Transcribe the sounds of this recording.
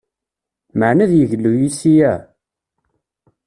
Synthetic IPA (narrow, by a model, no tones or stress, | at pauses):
məʕnæðjəʝəlːujisijæ